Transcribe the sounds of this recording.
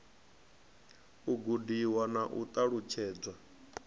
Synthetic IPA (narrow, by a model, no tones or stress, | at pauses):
uɡudiwanaʔṵt̪ʼaɺut͡ʃʰɛːd͡zwa